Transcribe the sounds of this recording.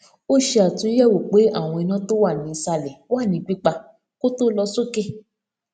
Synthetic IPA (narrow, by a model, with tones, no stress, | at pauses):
o˦ʃe˧a˨tũ˧˦jɛ˦˨wo˨k͡pe˨˦a˦˨w̃ɔ̃˧i˧nã˦to˦wa˦˨nĩ˨˦i˧sa˧lɛ˨wa˦˨nĩ˨˧˦ɡ͡bi˦k͡pa˧ | ko˦to˦lɔ˧so˦ke˦˨